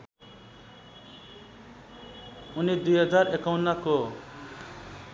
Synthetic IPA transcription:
unid̪ujɦʌd͡zarekawnako

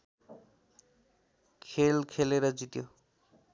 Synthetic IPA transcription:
kʰelkʰeleɾʌd͡zit̪jo

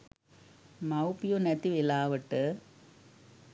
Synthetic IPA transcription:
mɐʊpijonɐt̪ːiʋɪlaːʋɐʈːɯ

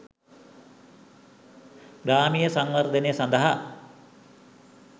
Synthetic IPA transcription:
ɾaːmijəsaŋʋard̪ənesand̪əɦa

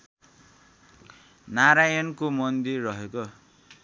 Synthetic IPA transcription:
naɾajʌnkomʌnd̪irːʌɦeko

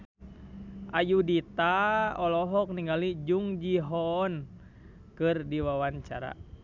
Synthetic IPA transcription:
ʔajudit̪aɔlɔɦɔk̚niŋɡalid͡ʒuŋd͡ʒiɦɔn | kɨrdiwawaɲt͡ʃa̰ɾa̰

